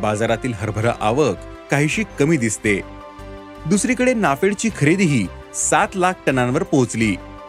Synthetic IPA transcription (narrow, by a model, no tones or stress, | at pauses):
bad͡zaɾat̪iːlɦəɾbʱəɾə̰ʔaʋəkː | aɦiːɕiːkəmiːd̪ist̪e | d̪usɾiːkəɽenafeɽt͡ɕiːkʰəɾed̪ɦiː | sat̪lak̚ʰʈənãnʋəɾpot͡sliː